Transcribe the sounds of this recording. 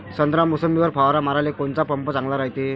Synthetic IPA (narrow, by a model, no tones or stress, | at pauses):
sənd̪ɾamusəmiʋəɾpʰawɾamaɾalekont͡sapəmpət͡saŋɡlaɾaɦjt̪e